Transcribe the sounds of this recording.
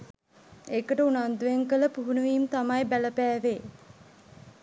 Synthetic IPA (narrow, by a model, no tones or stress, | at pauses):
ekəʈəunand̪ujeŋkələpuɦunuʋiːmt̪amajbæləpæːʋe